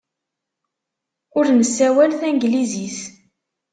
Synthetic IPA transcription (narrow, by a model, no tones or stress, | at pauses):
ʊɾnəsːæwælθæŋɡliziθ